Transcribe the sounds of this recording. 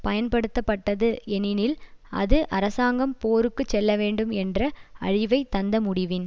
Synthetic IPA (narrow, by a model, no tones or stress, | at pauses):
pɐjɐnpɐɽɯt̪ːɐpːɐʈːɐðɯɛnɪnɪlɐ̰ðɯʔɐɾɐsaːŋɡɐmpoːɾɯkːɯt͡ʃːɛlːɐʋeːɳɖɯmɛndrɐɐɻɪʋɐɪt̪ɐnd̪ɐmʊɽɪʋɪn